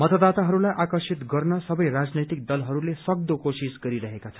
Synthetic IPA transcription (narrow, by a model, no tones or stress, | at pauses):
mʌt̪ʌd̪at̪aɦʌɾulajʔakʌrsit̪ɡʌrnʌsʌbʌjrad͡znʌjt̪ik̚d̪ʌlɦʌɾulesʌk̚d̪okosisɡʌɾiɾʌɦekat͡sʰʌ̥